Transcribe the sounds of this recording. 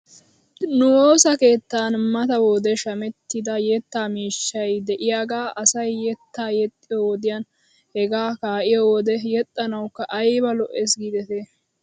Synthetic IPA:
nʊwo̞ːsɐke̞ːt̪ːaːnmɐt̪ɐwoːd̪ɛʃɐmɛt̪ːɪd̪ɐjɛt̪ːaːmiːʃːɐjd̪ɛʔɪjaːɡaːʔɐsɐjːɛt̪ːaːjɛt̪ʼːɪjowɔd̪ɪjaːn | hɛɡaːkaːʔɪjowɔd̪ɛjɛt̪ʼːɐnɐwkːɐʔɐjbɐlɔʔesɡiːd̪ɛt̪e

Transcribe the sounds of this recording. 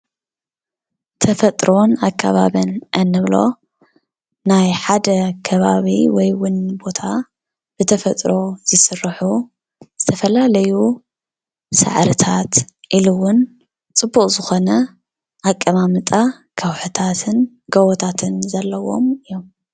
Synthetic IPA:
t̪ʰɐfɐt̪ʼɾo̞nakʰːaβaβɐnʔɐnːɨβlo̞̰ | najħad̪ɐkʰɐβaβḭwɔjwʊnbo̞t̪ʰa | b̥ɨt̪ʰɐfɐt̪ʼɾo̞z̥ɨsɨrːħu | zɨt̪ʰɐfɐlalɐju | sa̰ʕɾɨt̪ʰat̪ʔilɨwʊn | t͡sʼɨbːukʼzɨxo̞nɐ | ʔakʼːɐmamɨt̪ʼa | kʰɐwħut̪ʰat̪ʰɨn | ɡ̥ɐwot̪ʰat̪ʰɨnzɐlːɐwo̞̰mɨjom

